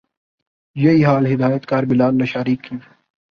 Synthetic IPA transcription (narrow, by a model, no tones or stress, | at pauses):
jeiːɦaːlɦɪd̪aːjət̪kaːɾbɪlaːnːɐʃaːɾiːkːi